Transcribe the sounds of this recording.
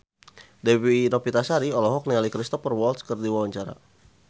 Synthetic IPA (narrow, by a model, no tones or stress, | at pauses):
dɛwinɔpit̪asaɾiɔlɔɦɔk̚nialikɾist̪ɔfərwɔlskərdiwawaɲt͡ʃaɾa̰